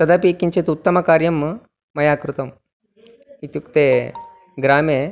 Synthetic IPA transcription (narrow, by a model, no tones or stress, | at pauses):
t̪ɐd̪ɐpikiɲt͡ʃet̪ut̪ːɐmɐkaːɾjɐmː | ɐjaːkɾut̪ɐm | it̪jukt̪eː | ɡɾaːme